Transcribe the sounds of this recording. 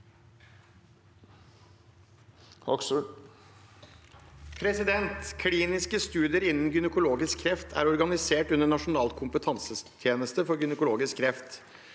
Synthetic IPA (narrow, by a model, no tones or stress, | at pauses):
hɔksu | pʰɾɛsɪd̪ɛnt̪kʰliːnɪskəst̪ʉːd̪ɪəɾɪnːn̩ɡʏnəkʊloːɡɪskkʰːɾɛft̪ʰæ̰ːɾɔɾɡɑnɪseːʈʉnəɳɑʂʊnɑːlkʰʊmpət̪ʰɑnsəst̪ʰjeːnəst̪əfɔɾɡʏnəkʊloːɡɪskʰːɾɛft̪